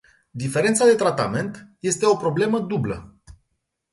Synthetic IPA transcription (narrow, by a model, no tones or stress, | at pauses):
d̪ife̞ɾe̞nt̪sad̪e̞t̪ɾat̪a̰me̞nt̪je̞st̪e̞o̞pɾo̞ble̞məd̪ublə̰